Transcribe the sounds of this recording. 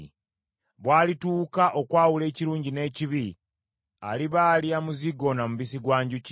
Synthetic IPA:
βwaːlituːkaʔo̞kwaːwule̞ːciɾuːɲɟine̞ːciβi | a̰liβaːliamuziɡo̞namuβis̬iɡwaːɲɟuc

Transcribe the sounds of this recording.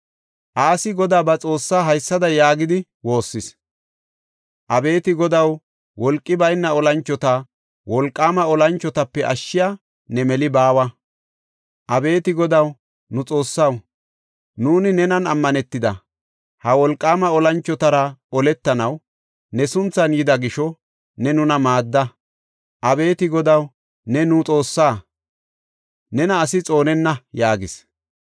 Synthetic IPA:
ʔaːsɪɡɔd̪aːbɐt͡sʼo̞ːsːaːɦɐjsːɐd̪ɐjaːɡɪd̪ɪ | wo̞ːsːɪs | ʔɐbe̞ːt̪ɪɡɔd̪ɐw | wɔlkʼːɪbɐjnːɐɔlɐnt͡ʃːɔt̪ɐ | wɔlkʼːaːmɐɔlɐnt͡ʃːɔt̪ɐpːɛʔɐ̰ʃːɪja | nɛmɛlɪbaːwɐ | ʔɐbe̞ːt̪ɪɡɔd̪ɐw | nʊt͡sʼo̞ːsːɐw | nuːnɪnɛnɐnɐmːɐnɛt̪ːɪd̪ɐ | hɐwɔlkʼːaːmɐɔlɐnt͡ʃːɔt̪ɐɾɐɔlɛt̪ːɐnɐw | nɛsʊnt͡sːɐnjɪd̪ɐɡɪʃɔ | nɛnʊnɐmaːd̪ːɐ | ʔɐbe̞ːt̪ɪɡɔd̪ɐw | nɛnʊt͡sʼo̞ːsːaː | nɛnɐːsɪt͡sʼo̞ːnɛnːɐjaːɡɪs

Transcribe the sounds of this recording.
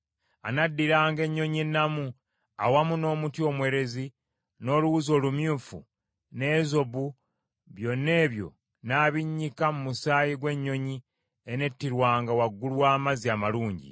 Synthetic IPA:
anadːiɾaːŋɡe̞ɲːo̞ɲenːamu | a̰wamuno̞ːmutjo̞mwe̞ːɾe̞zi | no̞ːluwuzo̞ːlumjuːfṵ | ne̞ːzo̞βu | βjo̞nːe̞ːβjo̞̰ | naːβiɲːikamumusaːjiɡwe̞ɲːo̞ɲi | ene̞tːiɾwaːŋɡawaɡːulwaːmaziamaluːɲɟḭ

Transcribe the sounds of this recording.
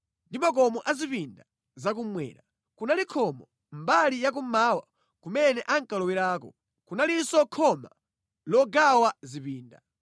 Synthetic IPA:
ndimak̬ɔmɔʔazipinda | zak̬umwɛ̰ːɾa | kunalikʰɔmɔ | mbalijak̬umaːwa | kumɛnɛʔaŋkalɔwiɾaːkɔ̰ | kunalisɔkʰɔma | lɔɡawazipiːnda̰

